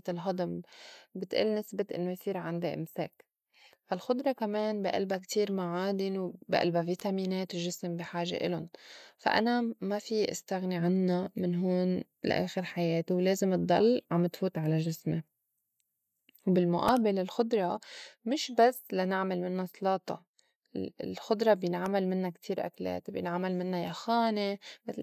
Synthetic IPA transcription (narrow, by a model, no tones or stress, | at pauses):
t̪ɪlɦɑd̪ˤɨmbɪt̪ʔḭːlnɪsbɪt̪ʔɪ̰nːojθiːɾʕand̪iʔɪ̰msḛːk | falxʊd̪ɾˤɑkameːnbiʔa̰lbakt̪ʰiːɾmaʕaːd̪ɪnwbiʔa̰lbaviːt̪amiːneːt̪ɪʒɪsɪmbiħaːʒḛʔɪ̰lʊnfa̰ʔa̰namafiʔɪ̰st̪aɣniʕanːamɪnɦoːn | la̰ʔḛːxɪɾħajeːt̪wleːzɪmɨt̪ˤːɑ̰lːʕamɪt̪fuːt̪ʕalaʒɪsme | wbɪlmʊʔaːbɪlalxʊd̪ɾˤɑmɪʃbasːlanɪʕmalmɪnːasˤlɑːt̪ˤɑ̰ | lxʊd̪ɾˤɑbjɪnʕamalmɪnːakt̪ʰiːɾʔa̰klḛːt̪bjɪnʕamalmɪnːajaxaːnem